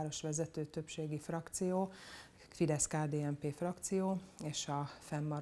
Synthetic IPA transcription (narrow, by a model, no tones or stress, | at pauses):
ɾo̞ʃʋɛzɛt̪øːt̪ø̞pʃeːɡifrɒkt̪sijoː | fid̪ɛskaːd̪eːɛmpeːfrɒkt̪sijoːeːʃɒfɛmːɒɾ